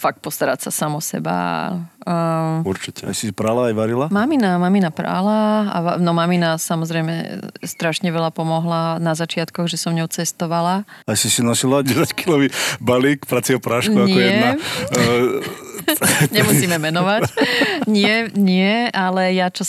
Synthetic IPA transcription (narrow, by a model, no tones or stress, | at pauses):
fak̚t̪̚pɔst̪aɾa̰csasamɔsɛ̰ba̰ | uɾt͡ʃicɛa̰jsisipɾalaːjʋaɾilamaminamaminapɾa̰laa̰nɔmaminasamɔzɾɛjmɛ̰st̪ɾaʃɲɛʋɛlapɔmɔɦlanazat͡ʃɪat̪kɔɣʒɛsɔmɲɔʊt͡sɛst̪ɔʋalaajsisinasilaɟɛsackilɔʋibalikpɾat͡siɔpɾaʃkɲuaɲɪɔjɛɛa | ɲɛmusiːmɛmɛnɔʋacɲɪɛɲɪɛalɛjat͡ʃɔ